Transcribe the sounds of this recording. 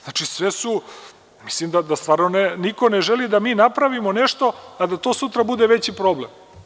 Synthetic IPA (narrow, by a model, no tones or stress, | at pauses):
znat͡ʃisʋesu | mi̥slimd̪ad̪ast̪ʋaːɾnoneniko̞neʒelid̪amiːnapɾaʋimone̞ʂt̪o̞ad̪at̪osut̪ɾabud̪eʋet͡ɕipɾo̞ble̞m